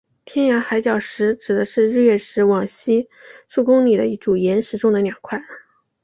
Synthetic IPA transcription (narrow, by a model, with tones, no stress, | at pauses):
t̪ʰjɛ˥nja˧˥xa˧˥ɪt͡ɕjɑ˨˩ʊʂɻ̩˧˥ʈ͡ʂɻ̩˨˩d̪ə˦ʂɻ̩˥˧ɻɻ̩˥˧ɥɛ˥˩ʂɻ̩˧˥wɑ˨˩ŋɕi˥ | ʈ͡ʂʰu˥˩kʊ˥ŋli˨˩d̪ə̰˦i˥˩ʈ͡ʂu˨˩jɛ˧˥nʂɻ̩˧˥ʈ͡ʂʊ˥ŋd̪ə˨njɑ˨˩ʊkʰwa˥˩